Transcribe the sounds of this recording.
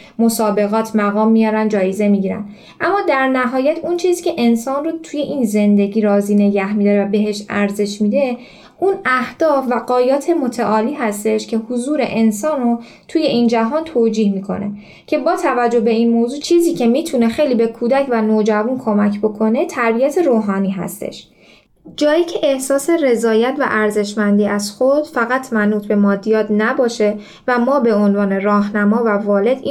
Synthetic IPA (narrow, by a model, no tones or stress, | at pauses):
mosɒːbe̞ɣɒːt̪ʰmæɣɒːmːijɒːɾænd̪d͡ʒɒːjeze̞miɟiːɾæ̰n | ʔæmːɒːd̪æɾnæɦɒːjæt̪ʰunt͡ʃʰiːziːcʰe̞ʔe̞nsɒːnrot̪ʰuje̞ʔiːnze̞nd̪e̞ɟiːɾɒːziːne̞ɟæhmid̪ɒɾevæbe̞ɦe̞ʃæɾze̞ʃmiːd̪e̞ | unæhd̪̥ɒːfvæɡɒːjɒːt̪ʰe̞mo̞t̪ʰæʔɒːliːɦæst̪e̞ʃcʰe̞huzuːɾe̞̰ʔe̞nsɒːnro | t̪ʰuje̞ʔiːnd͡ʒæɦɒːnt̪ʰoːd͡ʒiːhmiːkʰo̞̰ne̞̰ | cʰe̞bɒːt̪ʰævæd͡ʒːo̞hbe̞iːnmoːzuːt͡ʃʰiːziːcʰe̞miːt̪ʰune̞xe̞jliːbe̞kʰuːd̪æcvænoːd͡ʒævunkʰo̞mæcʰbo̞kʰo̞ne̞t̪ʰæɾbijæt̪ʰe̞ɾoːɦɒːniːɦæ̰st̪ḛʃ | d͡ʒɒːjiːcʰe̞ʔehsɒːse̞re̞zɒːjæt̪ʰvæ̰ʔæɾze̞ʃmænd̪iːæz̥xod̪̥fæɣæt̪ʰmænuːt̪ʰbe̞mɒːd̪ijɒːt̪næbɒːʃe̞ | væmɒːbe̞onvɒːne̞rɒːɦnæmɒːvævɒːle̞d̪i